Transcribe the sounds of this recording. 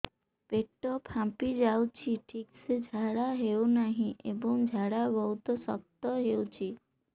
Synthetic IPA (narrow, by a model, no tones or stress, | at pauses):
peʈːɔpʰãpid͡ʒawt͡ʃʰiʈʰiksed͡ʒʱaɽaɦewnaɦĩʔebɔŋd͡ʒʱaɽabɔɦut̪ɔsɔ̰k̚t̪ɔɦewt͡ʃʰi